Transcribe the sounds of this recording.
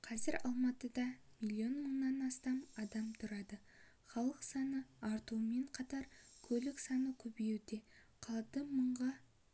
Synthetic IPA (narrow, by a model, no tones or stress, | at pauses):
qʰɑzɪɾɑ̰lˠmɑt̪əd̪ɑ | milʲˠːio̞nməɴnɑnɑst̪ɑmɑd̪ɑmt̪ʰʊɾɑd̪ə | χɑlˠəqsɑnəɑɾt̪uwəme̞ɴqʰɑt̪ɑɾkʲʰɵlɪksɑnəkʲʰɵbewd̪e̞ | qʰɑlˠd̪əməɴʁɑ